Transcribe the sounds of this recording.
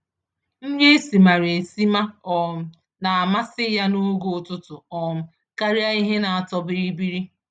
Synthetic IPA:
ŋ̩˦ɡe˦si˨ma˨ɾe˨si˦ma˦ɔ˨m̩˨ | na˨a˨ma˦sɪ˦ja˦nu˦ɡo˨tʊ˦tʊ˨ɔ˨m̩˨ | ka˦ɾja˦i˦ɦe˦na˨a˨tɔ˦bi˦ɾi˦bi˦ɾi˦

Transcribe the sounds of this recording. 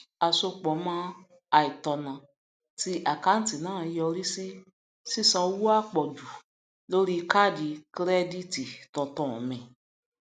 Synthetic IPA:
a˨so˧k͡pɔ˨˦mã˦ | a˧i˨tɔ˧nã˨ | ti˧ʔa˨ka˦n̩˦ti˨nãː˨˦˨jɔ˧ɾi˦si˦ | si˦˨sã˧˦wu˦a˦˨k͡pɔ˨du˨ | lo˦ɾi˦ka˦˨di˧kɾɛ˦di˦˨ti˨tɔ̃˧tɔ̃˦˨mɛ̃˨

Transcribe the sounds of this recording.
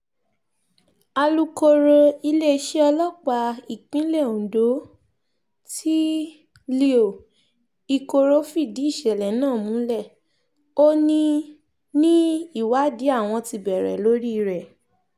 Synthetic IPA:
a˧lu˦ko˧ɾo˧i˧le˦˧˦ʃe˦ɔ˧lɔ˦˨k͡pa˧i˨k͡pĩ˨˦lɛ˦˨o˨do˨˦ | tʰi˦ | le˧o˨ | i˧ko˧ɾo˦fi˦˨di˨˦i˦˨ʃɛ˨lɛ˨nãː˦˨mũ˨˦lɛ˦˨ | o˦nĩ˧ | nĩ˦i˦˨wa˨˦di˨˦a˦˨w̃ɔ̃˧ti˧bɛ˨ɾɛ̰˨lo˦ɾi˦˧ɾɛ˨

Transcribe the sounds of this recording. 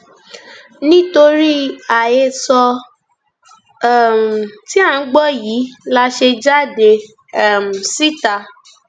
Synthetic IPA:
nĩ˦to˧ɾi˦a˨je˦˨sɔ˧˦˨ | m̩˨ti˦a˦˨n̩˦ɡ͡bɔ˦˨jiː˨˦la˧ʃe˧d͡ʒa˦˨de˧ | ɛ˦˨m̩˨si˦˨ta˧

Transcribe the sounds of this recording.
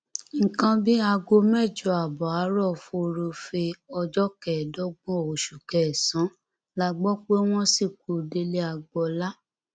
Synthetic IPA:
ŋ̩˨kã˧bi˦a˧ɡo˧mɛ˦˨d͡ʒo˨a˨bɔ˨a˨˦ɾɔ˦˨fu˧ɾo˧fe˧ɔ˧d͡ʒɔ˦kɛ˨dɔ˦ɡ͡bɔ̃˦˨o˨ʃu˨kɛ˨sã˨˦ | la˦ɡ͡bɔ˦k͡pe˦w̃ɔ̃˦si˦˨ko˨de˦le˦a˧ɡ͡bɔ˧la˦

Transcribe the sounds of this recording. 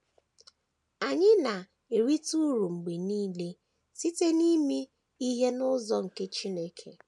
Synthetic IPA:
a˨ɲɪ˦na˨ | e˨ɾi˦tu˦ɾu˨ŋ͡m̩˨ɡ͡be˨niː˦le˦ | si˦te˦ni˦mi˦ | i˦ɦe˦nʊ˦zɔ˦ŋ̩˨ke˦t͡ʃi˦ne˦kʰe˨

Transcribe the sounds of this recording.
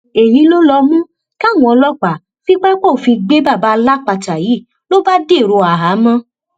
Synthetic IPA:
e˨jĩ˨˦lo˦lɔ˧mũ˦ | ka˦˨wũ˧ɔ˧lɔ˦k͡pa˨ | fi˦k͡pɛ˦k͡po˦˨fi˧ɡ͡be˦ba˦˨ba˧˦la˦˨k͡pa˧ta˨ji˨˦˨ | lo˦ba˦de˦˨ɾo˧a˨ɦa˨˦mã˧

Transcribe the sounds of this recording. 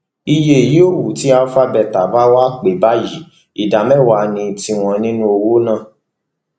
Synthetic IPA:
i˧je˧i˨ji˨˦o˦˨wu˨ti˨˦a˧˦fa˦bɛ˧˨ta˨ba˦wa˦k͡pe˨ba˦ji˨˦ | i˨da˨mɛ˦˨wa˧nĩ˧ti˧w̃ɔ̃˧nĩ˦nũ˦o˧wo˦nãː˦˨

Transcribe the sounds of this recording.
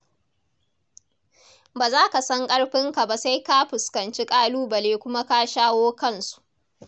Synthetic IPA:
baː˨zaː˦ka˨sɐ˦ŋkʼɐ˦ɽɸɪ˦ŋka˨ba˨sa˦jka˦ɸɪ˨skɐ˨nt͡ʃi˦kʼaː˦luː˦bɐ˨leː˦kʷʊ˦ma˦ka˦ʃaː˦woː˦kɐ˦˨nsu̥˨ʔʔ

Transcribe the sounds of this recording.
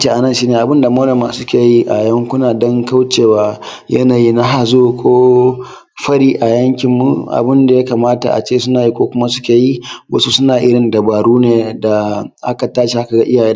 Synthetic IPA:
t͡ʃe˨ʔa˨nɐ˦˨nʃiː˦neː˨ʔa˨bɪ˦nda˨moː˦nɐ˨mːa˨sʊ˦kʲeː˨ji˦ʔa˨jɐ˦ŋkʷʊ˦naː˨dɔ˦ŋka˦wt͡ʃeː˨waː˦ | jɐ˦naː˨jiː˦na˦ɦa˨zoː˦kʷoː˦ | ɸɐ˦ɽiː˦ʔa˨jɐ˦ŋkʲɪ˨mːu˨ʔa̰˨bɪ˦nda˨ja˦kaː˨maː˦ta̰˨ʔa̰˨t͡ʃeː˦˨sʊ˦naː˨ji˦kʷoː˦kʷʊ˦ma˦sʊ̥˦kʲeː˨ji˦wɐ˦su˦sʊ˦naː˨ʔɪ˦ɽɪ˨ndɐ˨baː˨ɽuː˦neː˨da˨ʔa˦ka˨taː˦ʃi˨ʔa˦ka˨ɡa˦ʔɪ˦jaː˨jeː˦

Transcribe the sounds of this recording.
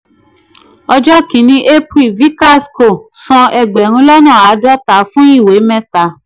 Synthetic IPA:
ɔ˧d͡ʒɔ˦kĩ˨˦nĩ˧˦ʔe˦pi˦˨vi˦ka˦˨sko˨sɔ̃˧ɛ˧ɡ͡bɛ˨ɾ̃ũ˧˦lɔ˦nã˦˨a˨˦dɔ˦ta˨˦fũ˦i˦˨we˨˦mɛ̃˦ta˨˦

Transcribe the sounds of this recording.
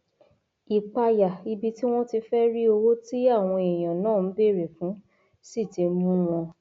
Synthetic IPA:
i˨k͡pa˧ja˨i˧bi˧ti˦w̃ɔ̃˦ti˧fɛ˦ɾi˦o˧wo˦ti˦a˦˨w̃ɔ̃˧e˨j̃ã˨nãː˦˨n̩˨˦be˦˨ɾe˨fũ˨˦ | si˦˨te˧mũ˦w̃ɔ̃˧

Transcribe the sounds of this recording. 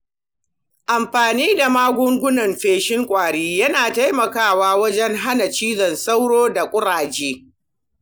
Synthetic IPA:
ʔa˨mɸaː˨niː˦da˨maː˦ɡʷʊ˦ŋɡʷʊ˦nɐ˨mɸeː˦ʃɪ˦ŋkʷʼaː˨ɽiː˦jɐ˦naː˨ta˦jmɐ˨kaː˦˨waː˦wɐ˦d͡ʒɛ˦ŋɦa˦na˨t͡ʃiː˦zɐ˨nsa˦wɽoː˦da˨kʷʼʊ˦ɽaː˨d͡ʒeː˦

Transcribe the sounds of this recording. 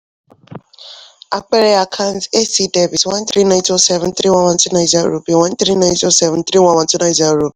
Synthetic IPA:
a˨k͡pɛ˦ɾɛ˦a˨kʰã˦n˦te˦si˧dɛ˨vi˨twã˦n˦t̪ɾi˦nã˧ɪ̃˦to˦sɛ˦vɛ̃˨n˦t̪ɾi˦wã˦wã˧˦ti˦nã˧jza˦ɾo˨bi˨wã˦n˦t̪ɾi˦nã˦j̃nto˦sɛ˦vũ˨n̩˦t̪ɾi˦wã˦w̃ã˨˧˦ti˦nã˨i˦za˨ɾo˨bi˨˦

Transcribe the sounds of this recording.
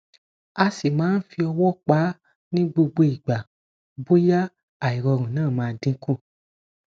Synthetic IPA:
a˧si˨mãː˨˦n̩˦fi˧ɔ˧wɔ˦˨k͡pa˨˦ | nĩ˦ɡ͡bo˧ɡ͡bo˧i˨ɡ͡ba˨ | bo˦ja˦ | a˨i˨ɾɔ˧ɾũ˨nãː˦˨mãː˦˧˦dĩ˦kũ˦˨

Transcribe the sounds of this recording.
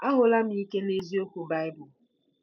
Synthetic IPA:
a˦ɦʊ˨la˦mi˦i˦ke˦ne˦zi˦o˦ku˨ba˦ɪ˦bʊ˨

